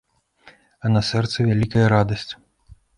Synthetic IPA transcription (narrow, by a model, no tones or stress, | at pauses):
ɐnɐsɛrt̪sɐvʲalʲikɐjɐɾad̪ɐsʲt͡sʲ